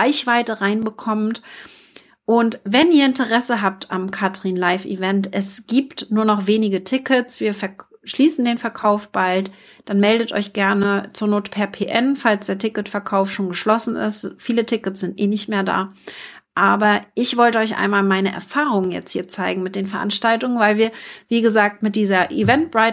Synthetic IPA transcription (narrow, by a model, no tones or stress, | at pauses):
ʁaɪçv̥aɪtəʁaɪnbəkʰɔmt | ʔʊntvɛnʔiːɐɪntəʁɛsəɦaːp̚tamkʰatʁ̥inlaɪfḭvɛntʔɛsɡ̥iːptnuːɐnɔχv̥eːnɪɡətʰɪkʰət͡sv̥iːɐfɛɐʃliːsn̩deːnfɛɐkʰaʊfb̥alt | d̥anmɛldətʔɔ̰ʏçɡ̥ɛɐnət͡suːɐnoːtə̥pʰɛɐpʰeːʔɛnfalsd̥eːɐtʰɪkətfɛɐkʰaʊftʃoːnɡəʃlɔsn̩ʔɪ̰stfiːlətʰɪkət͡sz̥ɪntʔeːnɪçtmeːɐda̰ː | ʔaːbɐʔɪçv̥ɔltəɔʏçʔa̰ɪnmaːlmaɪnəʔɛ̰ɐfaːʁʊŋənjɛ̰t͡sthiːɐt͡saɪɡŋ̩mɪt̚d̥eːnfɛɐʔa̰nʃtaltʊŋənvaɪlviːɐv̥iːɡəzaːk̚tmɪt̚d̥iːzɐʔivɛnt̚b̥ʁaɪ